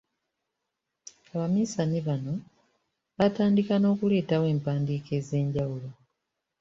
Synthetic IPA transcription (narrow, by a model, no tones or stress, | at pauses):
aβamisaniβano̞ | βataːndikano̞ːkule̞ːtawe̞ːmpaːndiːke̞ːze̞ːɲɟawulo̞